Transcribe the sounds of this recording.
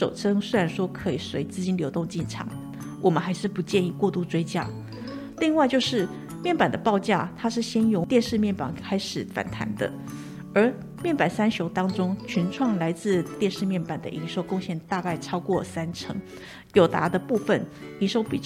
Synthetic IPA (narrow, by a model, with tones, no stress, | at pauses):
ʂo˨˩ʊʈ͡ʂʰɤ˥ŋswe˥ɪɻa˧˥nʂwɔ˥kʰɤ˧˥i˨˩swe˧˥ɪt͡sɹ̩˥˧t͡ɕi˥nljo˧˥ʊt̪ʊ˥˧ŋt͡ɕi˥˩nʈ͡ʂʰɑ̰˧˥˦ŋ | wʔɔ˨˩mə˦nxa˧˥ɪʂɻ̩˥˩pu˧˥t͡ɕjɛ˥˧ni˥˧kwɔ˥˧t̪u˥˩t͡swe˥ɪt͡ɕja̰˥ | li˥˧ŋwa˥˧ɪt͡ɕjo˥˧ʊʂɻ̩˥˩ | mjɛ˥˩npa˨˩nd̪ə˦pɑ˥˧ʊt͡ɕja̰˥˩t̪ʰa˥ʂɻ̩˥˩ɕjɛ˥njʊ˧˥ŋt̪jɛ˥˧nʂɻ̩˥˧mjɛ˥˩npa̰˨˩ŋkʰa˥ɪʂɻ̩˨˩fa̰˨˩nt̪ʰa̰˧˥nd̪ə̰˧ | ə˞˧˥ | mjɛ˥˩npa˨˩nsa˥nɕjo˧˥ʊt̪ɑ˥ŋʈ͡ʂʊ˥ŋt͡ɕʰy˧˥nʈ͡ʂʰwɑ˥˩ŋla˧˥ɪt͡sɹ̩˥˧t̪jɛ˥˧nʂɻ̩˥˧mjɛ˥˩npa˨˩nd̪ə̰˦ʔi˧˥nʂo˧˥ʊkʊ˥˧ŋɕjɛ˥˧nt̪a˥˧ka˥˩ɪʈ͡ʂʰɑ˥ʊkwɔ˥˩sa˥nʈ͡ʂʰɤ̰˧˥ŋ | jo˨˩ʊt̪a̰˧˥d̪ə˧pu˥˧fə˥˩ni˧˥nʂo˥ʊpi˨˩t͡ɕ